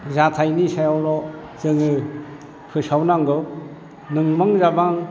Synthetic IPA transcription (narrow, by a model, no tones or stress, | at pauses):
zatʰajnisajawlɔ | zɯŋɯ | pʰɯsawnaŋɡɯ | nɯŋmaŋzabaŋ